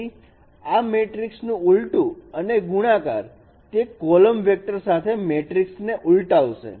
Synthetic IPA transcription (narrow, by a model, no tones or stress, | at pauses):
i | ameʈɾiksnũulʈũəneɡuɽ̃aka̰ɾ | t̪ekɔləmʋek̚ʈəɾsat̪ʰemeʈɾiksneʔulʈaʋʃḛ